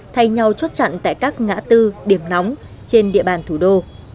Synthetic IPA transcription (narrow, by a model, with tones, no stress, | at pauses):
t̪ʰa˧jɲa˨˩wt͡ɕə˦˥t̚t͡ɕa̰˧˨nt̪a̰ː˧˨jkaː˦˥k̚ŋa̰ː˧˥t̪ɨ˧ɗi˧˩əmna˨˦wŋ͡m | t͡ɕe˧nɗḭ˧əɓaː˨˩nt̪ʰu˧˩ɗo˧